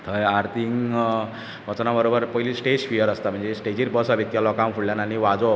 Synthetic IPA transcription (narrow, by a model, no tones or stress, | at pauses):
t̪ʰəjaɾt̪ʰiŋ | ʋʱʌt͡snabʌɾobəɾpʌilisʈed͡zpʰijəɾʌst̪amənd͡zesʈed͡ʑiɾbʌsabʱet̪jalɔkamkʰuɽljananiʋad͡zo